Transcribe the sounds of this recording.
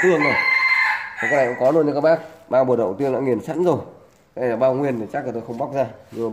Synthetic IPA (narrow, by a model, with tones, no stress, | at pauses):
t̪ɨ˧hə˧ŋmə˨˩j | a˨˩aː˨˦˥klaː˧˨ko̰˧˥ŋ͡mkɔ˨˦lu˧nɲɨ˧kaː˦˥k̚ɓaː˦˥k̚ɓaː˧wɓu˨˩ɗə̰˧˨wt̪i˧əŋla̰ː˧˥ŋi˨˩ənsa̰˧˥nzo˨˩j | a˧˩laː˨˩ɓaː˧wŋwi˧ənt̪ʰi˨˩t͡ɕa˦˥k̚la˨˩t̪o˧jxə˧wŋ͡mɓa˦˥k͡p̚zaː˧ɲɨ˧˨